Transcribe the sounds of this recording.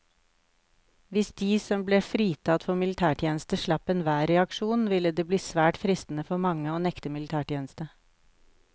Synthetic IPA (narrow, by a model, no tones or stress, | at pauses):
ʋɪsd̪iːsɔmbleːfɾiːt̪ʰɑt̪fɔmɪlɪt̪ʰæːʈʰjeːnəst̪əʃɭɑpɛnʋæːɾɛɑkʃuːnʋɪləd̪eːbliːsʋæːʈfɾɪst̪n̩əfɔmɑŋəoːnɛkt̪əmɪlɪt̪ʰæːʈjeːnəst̪ə